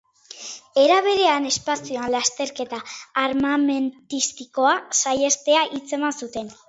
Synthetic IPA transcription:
e̞ɾaβ̞e̞ɾe̞ane̞spasioanlast̪e̞ɾke̞t̪aːɾmame̞nt̪ist̪iko̞asaje̞st̪e̞aʔit͡se̞mansut̪e̞n

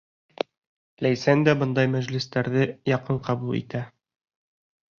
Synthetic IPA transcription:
læjsænd̪æbɤ̆nd̪ɑjmæʑlɘ̆st̪æɾðɘjɒqɤɴqɒbulˠḭt̪æ

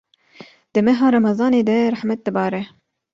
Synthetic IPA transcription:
d̪̥ɨmɛɦɑːɾɑmɑzɑːneːd̪ɛɾaħmɛt̪̚d̪ɨbɑːɾɛ

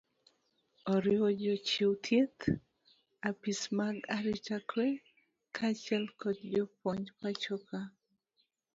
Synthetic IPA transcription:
ɔɾjod͡ʒɔt͡ʃiwt̪ʰjet̪ | apismaɡaɾit͡ʃakʰwɛ | kʰat͡ʃɛlkɔt̪̚d͡ʒɔpɔɲd͡ʒpat͡ʃɔka

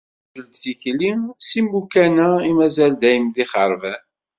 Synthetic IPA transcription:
ʒəld̪siçlimsimbukænæimæzæld̪æjəmðiχəɾˤvæn

